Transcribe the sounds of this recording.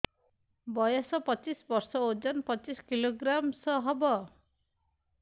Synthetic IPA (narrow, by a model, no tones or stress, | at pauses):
bɔjɔsɔpɔt͡ʃisbɔɾsɔod͡ʒɔnpɔt͡ʃiskiloɡɾamsɔɦɔbɔ